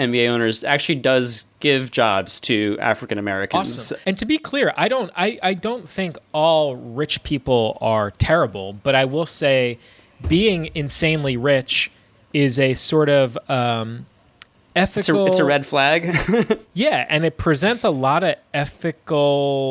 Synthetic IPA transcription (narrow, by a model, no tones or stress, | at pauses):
ɛ̃mbieɪõʊ̃nə˞zæ̰k̚t͡ʃʉl̩ˠidʌzɡ̥ɪvd͡ʒɑ̰bz̥tʰɨæ̰fɹɨkɨ̃nɨmɛɹɨ̰knsə̃mz̥ɨ̃ntʰɨbikʰl̥ɪɹʔa̰ɪɾõʊ̃ntaɪʔaɪdõʊ̃nθɪ̃ŋkɔlˠɹɪt͡ʃpʰipl̩ˠə˞tʰɛɹɨbl̩ˠb̥ʌɾaɪwɪlˠseɪ | biɪ̃ŋɨ̃nsẽɪ̃nliɹɪt͡ʃ | ɪzɨsɔɹɾʌvʌ̃m | ɛθɨsl̩ɨtsɨɹɛd̥flæɡ | jæɨ̃nɨt̚pʰɹ̥ɨzɛ̃ntsəlɔɾʌɛθɨkl̩ˠ